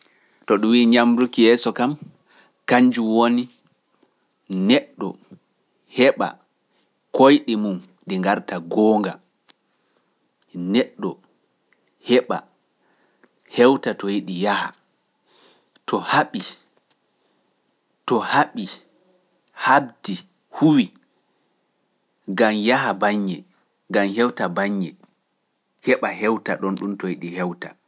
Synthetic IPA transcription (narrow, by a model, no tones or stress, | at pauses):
tɔɗumwiːɲamɾukijɛːsɔkam | kaɲd͡ʒuwoni | nɛɗːɔ | hɛɓa̰ | kojɗimum | ɗiŋɡaɾtaɡɔːŋɡa̰ | nɛɗːɔ | hɛɓa̰ | hɛwtatɔjiɗijaha̰ | tʰɔhaɓi | tɔhaɓi | habdi | huwi | ɡamjaɦabaɲːɛ | ɡamhɛwtabaɲːɛ | hɛɓaɦɛwta̰ɗɔnɗumtɔjiɗihɛwta̰